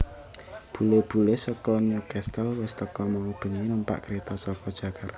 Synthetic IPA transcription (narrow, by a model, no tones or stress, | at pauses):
b̥ṳleb̥ṳlesɔkɔnukɛst̪əlwɛst̪əkɔmɔŋb̥ə̤ŋinumpa̰ʔkɾet̪ɔsɔkɔd̥ʒ̥ä̤kʰart̪